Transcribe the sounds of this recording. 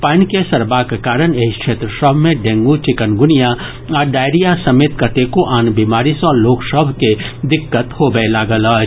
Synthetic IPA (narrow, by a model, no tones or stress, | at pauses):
paːnkesɐɾbakekaːɾəneikʃʰeːt̪ɾəsəbʱmẽɖẽːŋɡut͡ʃɪkənɡʊnija | ɔːɖaːɪɾijasɐmeːt̪̚kət̪ekoʔaːnbiːmaːɾisɔːloːksəbʱked̪ɪkːət̪hobəelaːɡəlɔː